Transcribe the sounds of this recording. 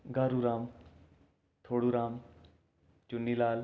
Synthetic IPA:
ɡaːɾuɾaːm | t̪ʰoːɽuɾaːm | t͡ʃunːilaːl

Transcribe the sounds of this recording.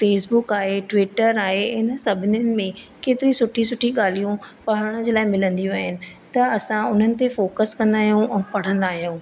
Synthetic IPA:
feːsbʊkaːɦeʈʋɪʈəɾaːɦeɦɪnə̆sɐbʱɪnʊnɪ̆mẽ | keːt̪ɪɾisʊʈʰisʊʈʰiɠaːl̤ijũpɐɦɽ̃əd͡ʑeːlaːɪmɪlə̃nd̪ijũaːɦɪnɪ̆ | t̪ɐɐsãʊn̤ənɪ̆t̪efoːkəskɐ̃nd̪aːɦijũʔɛ̃ːpɐɽ̤ə̃nd̪aːɦijũː

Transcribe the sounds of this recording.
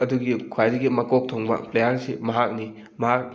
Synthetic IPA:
ɐduɡikʰwajdɐɡimɐkok̚tʰoŋbɐ̰plejaɾsimɐɦak̚ni | mɐɦak̚

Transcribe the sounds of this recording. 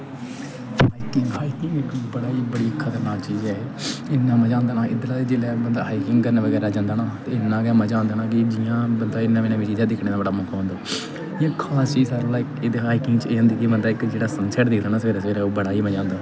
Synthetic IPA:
haːikɪŋɡɦaːikɪŋɡɪkbəɽaːiːbəɽiːkʰət̪əɾnaːkt͡ʃiːzɛːɪnːãːmɛ̃ːd͡ʒãːnd̪aːnaːʔɪd̪laːeːd͡ʒeːlɛːbənd̪aːɦaːikɪŋɡkəɾneːʋəɡɛːɾaːd͡ʒãːnd̪aːnãːt̪eːɪnːãːɡɛ̃ːmɛ̃ːd͡ʒãːnd̪aːnãːkɪd͡ʒɪjãːbənd̪aːɪnːãːʋeːnãːʋiːt͡ʃiːzãːd̪ɪkʰneːd̪aːbəɽaːmokʰaːɦːnd̪aː | ãːkʰaːst͡ʃiːd͡ʒsaːɾːlaːɪked̪ɦaːikɪŋɡt͡ʃeːɦnd̪iːkebənd̪aːɪkd͡ʒeːɽaːsənsɛːʈd̪ɪkʰd̪aːnãːsʋeːɾaːsʋeːɾɛːoːbəɽaːiːmɛ̃d͡ʒãːnd̪aː

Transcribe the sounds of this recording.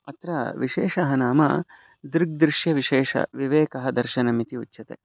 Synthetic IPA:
ɐt̪ɾɐ̰ʋiʃeːʃɐɦɐnaːmɐ̰ | d̪ɾɡ̚d̪ɾɪʃjɐʋiʃeːʃɐ̰ʋiʋeːkɐɦɐd̪ɐɾʃɐnɐmit̪iutːʃɐt̪ḛː

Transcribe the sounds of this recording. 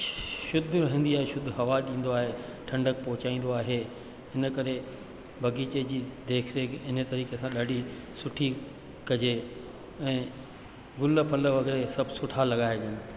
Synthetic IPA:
ʃʊd̪ʱɾɐɦə̃nd̪iaːɦeʃʊd̪ʱɦɐʋaɗĩːn̆d̪oaːɦeʈʰɐ̃ɳɖək̚pɔɦʊt͡ɕaːĩːn̆d̪oaːɦe | ɦɪnəkɐɾe | bʱɐɡiːt͡ɕed͡ʑiːd̪eːkʰɾeːkɪnət̪ɐɾiːkesãɗaːɖʱi | sʊʈʰi | kɐd͡ʑe | ɛ̃ː | ɡʊlpʰɐlʋɐɡɪɾesɐbʱsʊʈʰalɐɠaːeɗɪənɪ

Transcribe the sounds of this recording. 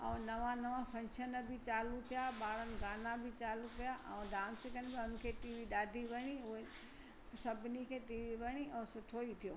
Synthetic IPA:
ɐ̰ũnɐʋãnɐʋãpʰɐ̃nʃənəbʱɪt͡ɕaːlũt̪ʰijaɓaːɽənɪ̆ɡaːnãbʱɪt͡ɕaːlũkijaʔɐ̰̃ũɖãːnsɪkənbɪɐnɪ̆kʰeːʈiːʋiɗaːd̪ʱiʋɐɽ̃iʊɦe | sɐbʱɪnikʰeːʈiːʋiʋɐɽ̃iʔɛ̃ːsʊʈʰoit̪ʰijoː

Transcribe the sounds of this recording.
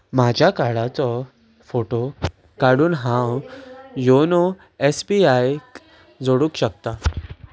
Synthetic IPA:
mad͡ʑʱjakaɽat͡sɔ | foʈo | kaɽuːnɦãwjono | esbiaj | d͡zoɽuːkɕəkt̪a

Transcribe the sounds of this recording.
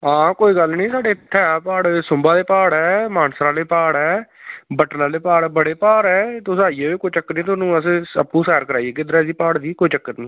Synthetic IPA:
ãːkoːiːɡəlnĩːsaːɖeːt̪ʰɛːapaːɽsʊmbaːd̪eːpaːɽɛːmaːnsɾãːleːpaːɽɛːbəʈlãːleːpaːɽbəɽeːpaːɾɛːt̪osaːieːʋeːkoːit͡ʃəkːnĩːt̪̬oːnũːəs̬ẽəpːũːsɛːɾkəɾaːieɡeːd̪ɾaːziːpaːɽd̪iːkoːiːt͡ʃəkːət̪nĩː

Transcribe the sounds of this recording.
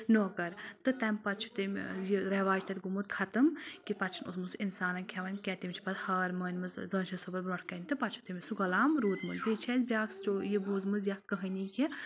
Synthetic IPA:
nokɐɾt̪ɨt̪ɐmʲpɐtt͡ʃʰu̥t̪ɨmjiɾɐʋaːd͡ʒt̪ʰɐt̪ʲɡumut̪̚kʰɐt̪ɨmkipɐt͡ʃʰunosmɨsinsaːnɐnʲkʰɛʋɐnʲkʲɛːt̪imʲt͡ʃʰi̥pɐt̪hɐːɾmɐːnʲmɨzzɐ̃ːnʃʰɐsɐbɐɾbɾɐʈʰkɐnit̪ɨpɐtt͡ʃʰu̥t̪ɨmʲisuɡɐlaːmɾuːt̪mɨzb̪it͡ʃʰɛzbʲjaːkst͡ʃojibuːzmɨzjɐkɐɦɐniki

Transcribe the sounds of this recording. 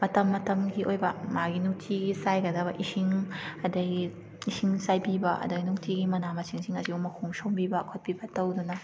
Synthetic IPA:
mɐtɐmːɐtɐmɡiʔojbɐmaɡinuk̚tʰiɡisajɡɐdɐbɐʔisiŋɐdɐi | isiŋt͡ʃajpibɐʔɐ̰duɡinuktʰiɡimɐnamɐsʰiŋsiŋɐsiumɐkʰumsowmbibɐkʰot̚pibɐtɐwdunɐ

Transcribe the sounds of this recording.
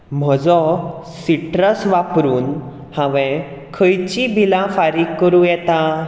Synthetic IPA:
m̤əd͡zɔ | siʈɾəsʋapɾuːn | hãʋɛ̃ | kʰəjt͡ɕibʱilãfaɾiːkːəɾũjɛt̪a

